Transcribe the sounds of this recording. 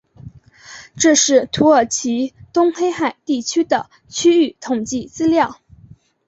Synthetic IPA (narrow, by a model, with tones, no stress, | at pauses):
ʈ͡ʂɤ˥˧ʂɻ̩˥˩t̪ʰu˧˥ə˞˨˩t͡ɕʰi˧˥t̪ʊ˥ŋxe˥ɪxa˨˩ɪt̪i˥˩t͡ɕʰy˥d̪ə˨ | t͡ɕʰy˥y˥˩t̪ʰʊ˨˩ŋt͡ɕi˥˩t͡sɹ̩˥ljɑ˥˩ʊ